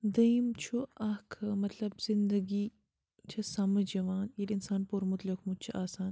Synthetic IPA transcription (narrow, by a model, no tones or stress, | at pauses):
d̪ɐimt͡ʃʰuɐkʰmɐt̪lɐbz̥ɪnd̪əɡi | t͡ʃʰɐsɐmɐd͡ʒɐʋaːnjiɾɪnsaːnpuɾmʊt̪ləkmʊd̪̚t͡ʃʰʔaːsaːn